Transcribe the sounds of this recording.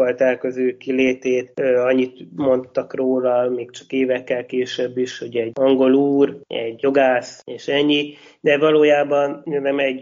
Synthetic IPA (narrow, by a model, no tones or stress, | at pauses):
olt̪ɛlkøzøːkileːt̪eːt̪øːɒɲːit̪mo̞nt̪ːɒkroːlɒmeːkt͡ʃɒ̥keːvɛkːɛlkeːʃɛbːiʃho̞ɟɛɟɒŋɡo̞luːrɛ̰ɟjo̞ɡaːseːʃɛɲːi | d̪ɛvɒloːjaːbɒnjnɛmɛɟ